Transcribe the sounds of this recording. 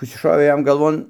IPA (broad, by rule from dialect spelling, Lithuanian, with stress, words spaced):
ˈkɐs t͡ʃʲɛ ˈʃoːʋʲeː ˈjɛm ɡɐlˠˈʋoːn